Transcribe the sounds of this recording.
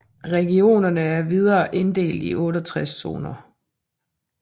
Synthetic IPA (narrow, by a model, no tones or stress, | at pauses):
ʁɛɡ̥io̝̰ːnɐnəæɐʋið̞ˠɐːʔe̝nd̥e̝̰ːld̥iʔɔ̽ːɾɒt͡sʰʁɛsːo̝̰ːnɐ